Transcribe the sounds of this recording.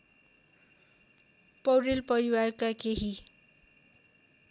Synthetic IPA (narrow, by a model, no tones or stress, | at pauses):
pʌwɾilpʌɾiwarkakeɦi